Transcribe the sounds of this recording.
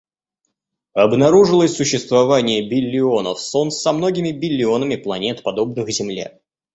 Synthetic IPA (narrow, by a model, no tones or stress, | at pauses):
ɐbnɐɾuʐɨlˠəsʲsʊɕːɪst̪vɐvanʲɪjəbʲɪlʲːɪo̞nəfso̞nsɐmno̞ɡʲɪmʲɪbʲɪlʲːɪo̞nəmʲɪplˠɐnʲe̞t̪pɐd̪o̞bnɨxzʲɪmlʲḛ